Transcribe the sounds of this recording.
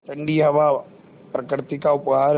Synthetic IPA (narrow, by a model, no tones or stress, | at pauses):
t̪ɐ̃ɳɖiɦɐʋa | pɾɐkɾɪt̪ikaʊpɦaːɾ